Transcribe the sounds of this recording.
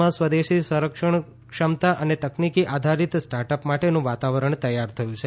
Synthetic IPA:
ãsʋəd̪eʃisəɾəkʂəɳ | kʂəmt̪aʔənet̪əknikiʔad̪ʱaɾit̪sʈaɾʈəpmaʈenũʋat̪aʋəɾəɳ̃t̪əjːaɾt̪ʰəjũt͡ʃʰe

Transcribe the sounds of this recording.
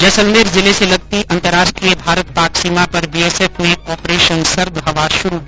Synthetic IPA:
d͡ʒɐsə̃nd̪eːɾzɪleselɐɡ̚t̪iɐ̃nt̪əɾaːʃʈɾijəbʱaːɾət̪̚paːksiːmapɐɾbiɛseːfneɔːpɾeːʃənsɐɾd̪ɦɐʋaːɾʃʊɾui

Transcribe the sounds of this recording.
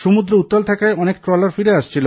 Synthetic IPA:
ʃumud̪ɾout̪ːalt̪ʰakaeɔnekʈɾɔlaɾfiɾeaʃt͡ɕʰilo

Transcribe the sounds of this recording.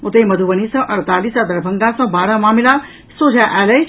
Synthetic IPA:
ut̪əjmɐd̪ʱuʋənisɐ̃ʔɐɾt̪alisad̪ɐɾbʱəŋɡasɐ̃baːɾamamila | sod͡ʒʱaʔæləj

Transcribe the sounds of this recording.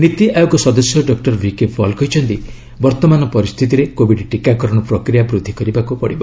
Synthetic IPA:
nit̪iʔajoɡɔsɔd̪ɔsjɔɖɔk̚ʈɔɾbikepʰɔlkɔɦjt͡ʃʰɔnt̪i | bɔɾt̪ɔmanɔpɔɾist̪ʰit̪iɾekobiʈʈikakɔɾɔɽ̃ɔpɾokɾijabɾud̪ʱːikɔɾibakupɔɽibɔ

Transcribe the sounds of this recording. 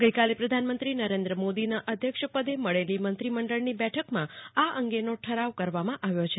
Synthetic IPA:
ɡəjkalepɾəd̪ʱanmə̃nt̪ɾinəɾẽnd̪ɾəmod̪inaʔəd̪ʱjəkʃpəd̪eməɭelimənt̪ɾiməɳɖəɭnibɛʈʰəkmãaʔəŋɡenoʈʰəɾaʋkəɾʋamãʔaʋjot͡ʃʰe

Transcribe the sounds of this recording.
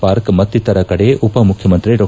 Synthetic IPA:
paːɾkmɐt̪ːit̪ɐɾɐkɐɽeʔupɐmukʰjɐmɐnt̪ɾiɖɔː

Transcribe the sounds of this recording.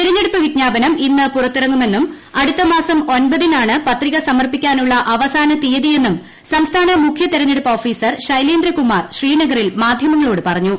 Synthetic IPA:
tt̪iɾɐɲːe̞ɽupːɨʋiɡɲaːbɐnɐminːɨpurɐt̪ːirɐŋːume̞nːum | ɐɽut̪ːɐmaːsɐmo̞nbɐðinaːɳɨpɐt̪riɣɐsɐmɐrpikʲːaːnuɭːɐʔɐʋɐsaːnɐt̪ijɐðije̞nːum | sɐmst̪ʰaːnɐmukʰjɐt̪iɾɐɲːe̞ɽupːɐoːfiːsɐrɕɐjleːnd̪ɾɐkumaːrɕriːnɐɣɐrilmaːd̪ʱjɐmɐŋːɐɭo̞ːɽɨpɐrɐɲːu

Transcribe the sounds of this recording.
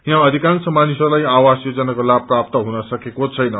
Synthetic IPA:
jãʌd̪ʱikãnsʌmanisʌrlajawasjod͡zʌnakolab̚pːrap̚t̪ʌɦunʌsʌkekot͡sʰʌjnʌ

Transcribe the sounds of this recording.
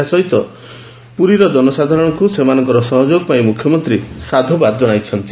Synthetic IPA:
asɔɦit̪ɔ | puɾiɾɔd͡ʒɔnɔsad̪ʱaɾɔɽ̃ɔŋkusemanɔŋkɔɾɔsɔɦɔd͡ʒoɡɔpaĩmukʰjɔmɔnt̪ɾisad̪ʱobad̪ɔd͡ʒɔɽ̃ajt͡ʃʰɔnt̪i

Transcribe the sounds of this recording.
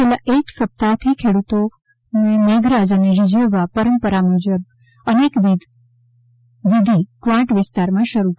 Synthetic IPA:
elaʔeksəp̚t̪at̪ʰikʰeɽut̪o | mẽneɡɾad͡ʒəneɾɪd͡ʒeʋapəɾəmpəɾamud͡ʒəb̚ | ənekʋid̪ | ʋɪd̪ʱikʋãʈʋɪst̪aɾmãʃəɾuk

